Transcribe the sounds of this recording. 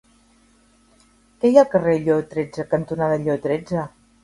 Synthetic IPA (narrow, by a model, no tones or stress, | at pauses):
kɛjakəreʎot̪ɾed͡zəkənt̪unaðəʎot̪ɾed͡zə